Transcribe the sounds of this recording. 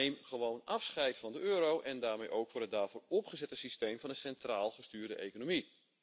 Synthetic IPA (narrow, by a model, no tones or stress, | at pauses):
ejmχəʋownɑfsχɛjtfɑndəøːɾowʔɛndaːrmejʔowkfɔrdɦədaːɹvʊːrɔpχəzɛtəsistejmvɑnənsɛntraːlˠχəstyːrdəʔekonomi